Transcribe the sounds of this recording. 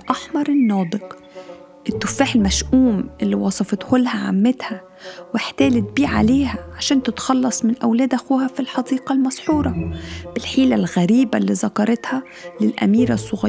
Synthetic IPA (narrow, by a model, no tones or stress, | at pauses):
ʔaħmɑɾˤɪnːɑːd̪ˤɨq | ʔɪt̪ːʊfːaːħɪlmæʃʔuːmʔɪlːiwɑsˤɑfɑt̪hʊlhaʕa̰mːɪt̪hæ | wɪħt̪æːlɪt̪̚biːʕʕa̰leːhæʕaʃæːnt̪ɪt̪xɑlːɑsˤmɪnʔawlæːd̪ʔæxuːhæfilħɑd̪iːqɑlmɑsˤħuːɾˤɑb̥ɪlħiːlalɣæɾiːbalːiːzɑkɑɾˤɑt̪hæ | lɪlʔæ̰miːɾasˤːʊɣɑ